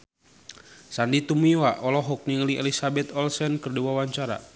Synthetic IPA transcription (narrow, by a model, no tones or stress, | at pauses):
sandit̪umiwaʔɔlɔɦɔk̚niŋəliʔɛ̰lisabɛt̪ɔlsɛnkərduwawaɲt͡ʃaɾa̰